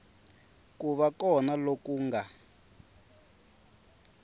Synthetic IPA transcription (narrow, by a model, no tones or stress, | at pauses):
kuβakɔnalokuːŋɡa